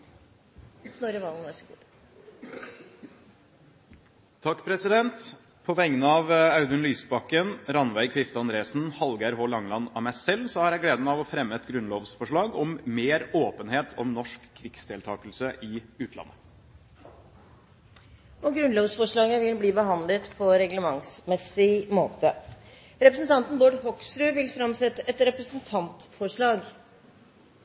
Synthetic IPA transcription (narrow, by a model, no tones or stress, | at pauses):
snoɾəʋɑln̩ɛsɡu | t̪ʰɑkːpʰɾɛsɪd̪ɛnt̪ | pʰɔʋɛŋnəɑʋɑʉd̪ʉnlyːsbɑkːənɾɑnʋæɪɡfɪft̪əɑnd̪ɾeːsn̩hɑlɡæɾɦoːlɑŋlɑnɑmæɪsɛlsɔhɑɾjæɪɡleːd̪əməɑʋɔfɾɛmːəɛt̪ɡɾʉnloːʋsfɔʂɭɑːɡɔmmeːɾoːpənheːt̪ʰɔmnɔʂkʰːɾɪkst̪ʰɪlt̪ʰɑːkəlsəʔɪʉːt̪ʰlɑ̰nːə | ɔɡɾʉnloːʋsfɔʂɭɑːɡəʋɪlbliːbəɦɑnd̪lət̪pʰɔɾɛɡləmɑŋsmɛsɪmoːt̪ə | ɾɛpɾəsnt̪ʰɑnt̪nboːɖhɔksɾʉːʋɪlfɾɑmsɛt̪ːəʔɛt̪ɾɛpɾəsənt̪ʰɑnt̪fɔʂɭɑːɡ